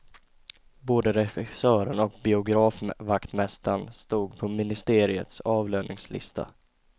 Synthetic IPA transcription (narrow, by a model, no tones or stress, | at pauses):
boːd̪əɾɛɧɪ̥sœːɾənɔk̚bɪʊɡɾɑːfvakt̪mɛst̪anst̪uːɡ̚pʰɔmɪnɪst̪eːɾɪə̰t̪sɑːvløːnɪŋslɪ̰st̪ʰa̰